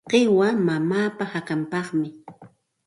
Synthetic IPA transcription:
qewamamaːpahakampɑχmɪ

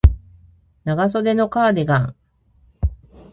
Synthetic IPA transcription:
naɡaso̞d̪e̞no̞kaːd̪eɡãŋ

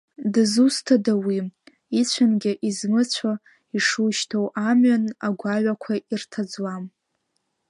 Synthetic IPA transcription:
dɨzustʰadawi | it͡ɕʷʰanɡʲɪʔizmɨt͡ɕʷʰa | iʂuʃtʰowʔamɥanaɡʷaɥakʷʰairtʰad͡zwam

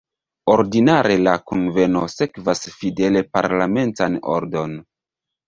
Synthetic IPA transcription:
oɾdinaɾe̞lakunve̞nose̞kvasfide̞le̞pa̰ɾlame̞ntano̰ɾdo̞n

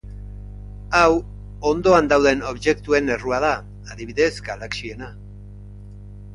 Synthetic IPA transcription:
aw | o̞nd̪o̞and̪awðe̞no̞βʝe̞kt̪ue̞ne̞ruaðaː | ðiβiðe̞zɡalaksie̞na

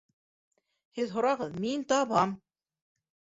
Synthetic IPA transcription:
hɘðɦŏɾɑʁɤðmint̪ɑβɑm

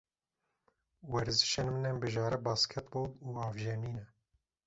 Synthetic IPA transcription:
wɛɾzɨ̥ʃɛnmɨnɛmbɨʒɑːɾɛbɑːskʰɛt̪boːluːɑːvʒeniːnɛ

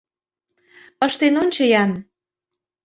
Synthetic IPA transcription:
əʃt̪enonʲt͡ɕɤjɑn

